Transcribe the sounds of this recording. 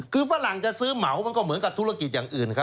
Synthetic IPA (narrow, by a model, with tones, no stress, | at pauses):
kʰɯː˧faː˧˥la˨˩ŋt͡ɕa˨˩sɯː˦˥ma˩˦wma˧nkɔ˥˩mɯ˩˦nka˨˩t̪ʰu˦˥a˧ki˨˩jaː˨˩ŋʔɯː˨˩nkʰa˦˥